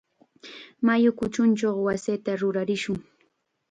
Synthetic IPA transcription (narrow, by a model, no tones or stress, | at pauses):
majʊkʊt͡ʃʊnt͡ʃoχwaset̪aɾʊɾaɾɪʃʊŋ